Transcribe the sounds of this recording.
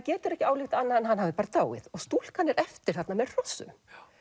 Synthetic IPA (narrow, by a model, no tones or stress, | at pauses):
cɛːt̪ʏɾɛhcɪaːwlɪxt̪anːaɛnɦanɦavðɪpaːɾat̪aːwɣɪ̰ðɔɣst̪ul̥kanːɛɾʔɛft̪ɪɾ̥θat̪namɛðr̥ɔsːʏ̰m